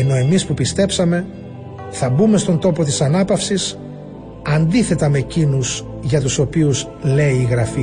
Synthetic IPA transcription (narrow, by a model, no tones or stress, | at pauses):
eno̞e̞mispupist̪e̞psɐme̞ | θɐbume̞st̪o̞nd̪o̞po̞t̪̬isɐnɐpɐfsis | ɐnd̪iθe̞t̪ɐme̞cinus | ʝɐt̪uso̞pius | le̞iːɣɾɐfi